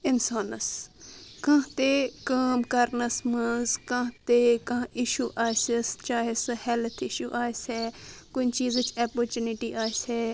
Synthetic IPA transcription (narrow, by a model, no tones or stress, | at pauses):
ɪnsaːnɐskãːt̪ekaːmkɐɾnɐsmɐzkãːt̪ekɐ̃ɪʃuːʔaːsist͡ʃaːɦeshɛlt̪ʰɪʃuːʔaːseːkʊnt͡ʃiːzt͡ʃɐːpoɾt͡ʃunɪʈiːʔaːse